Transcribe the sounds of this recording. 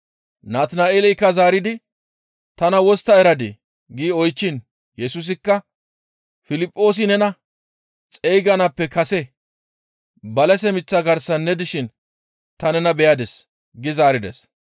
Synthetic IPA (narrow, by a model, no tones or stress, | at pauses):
naːt̪naːeːlɛjkːɐzaːɾɪd̪ɪ | t̪ɐnɐwɔst̪ːɐɛɾɐd̪ɪ | ɡiːɔjt͡ʃːɪn | jɛsʊs̬ɪkːɐ | fɪlɪpʼːo̞ːs̬ɪnɛnɐ | t͡sʼɛjɡɐnɐpːɛkɐsɛ | bɐlɛsɛmɪt͡sːɐɡɐɾsɐnːɛd̪ɪʃɪn | t̪ɐnɛnɐbɛjad̪ɛs | ɡɪzaːɾɪd̪ɛs